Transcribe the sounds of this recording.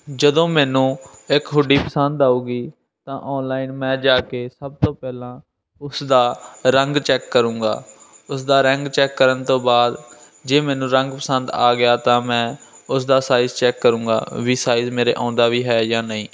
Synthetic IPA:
d͡ʒəd̪õːmɛːnũːɪkɦʊɖiːpəsənd̪aːuːɡiː | t̪ãːʔɔːnlaːɪnmɛ̃ːd͡ʒaːkeːsəb̚t̪õːpɛːlãː | ʊsd̪aːɾəŋɡt͡ʃɛːkːəɾũːŋɡa̰ːʊsd̪aːɾəŋɡt͡ʃɛːkːəɾənt̪õːbaːd̪ | d͡ʒeːmɛːnũːɾəŋɡpəsənd̪aːɡɪjaːt̪ãːmɛ̃ː | ʊsd̪aːsaːɪzt͡ʃɛːkːəɾũːɡa̰ːʋiːsaːizmeːɾḛːʔã̰ːʊnd̪aːʋiːɦɛːjãːnəĩː

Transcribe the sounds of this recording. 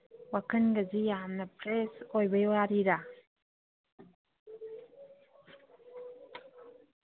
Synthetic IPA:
wakənɡəzijamnapɾesojbejwaɾiɾa

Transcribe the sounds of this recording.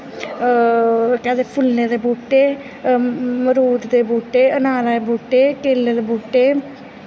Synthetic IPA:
kɛ̃ːd̪epʰʊlːeːd̪eːbuːʈːeː | məɾuːd̪d̪eːbuːʈeːənaːlaebuːʈːeːkeːlːed̪eːbuːʈːeː

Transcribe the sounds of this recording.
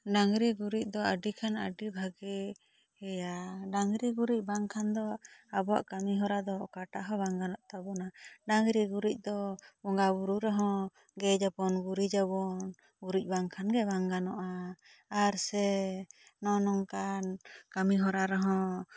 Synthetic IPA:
ɖaŋɾiɡuɾic̚ˀd̪ɔəɖikʰanəɖibʱaɡɛ | hɛjaɖaŋɾiɡuɾic̚ˀbaŋkʰand̪ɔabɔa̰ʔkamiɦɔɾad̪ɔɔkaʈaʔɦɔbaŋɡanɔʔt̪abɔnaɖaŋɾiɡuɾic̚ˀd̪ɔbɔŋɡabuɾuɾɛɦɔ̃ | ɡɛd͡ʒapɔnɡuɾid͡ʒabɔn | ɡuɾic̚ˀbaŋkʰanɡɛbaŋɡanɔʔaː | ɾsɛ | nɔnɔŋkankamiɦɔɾaɾɔɦɔ̃

